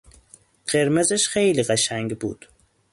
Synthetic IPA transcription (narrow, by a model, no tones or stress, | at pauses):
qeɾmezɪʃχejliqɑʃaŋɡʲbud̪̥